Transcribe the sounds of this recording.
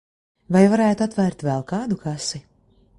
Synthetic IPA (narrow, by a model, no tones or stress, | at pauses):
vajvaɾæːjt̪uat̪væɾt̪vɛlˠkaːd̪ukasi